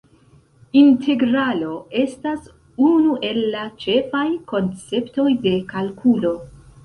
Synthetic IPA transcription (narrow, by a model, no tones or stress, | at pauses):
intʰe̞ɡɾalo̞ʔe̞stas | unuʔe̞lːat͡ʃe̞fajko̞nt͡se̞pto̞jde̞kalkʰulo̞